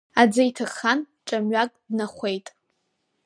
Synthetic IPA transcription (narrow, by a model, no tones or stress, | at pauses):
ad͡zajtʰɨχan | ʈ͡ʂʼamɥakʼdnaχʷe̞jtʼ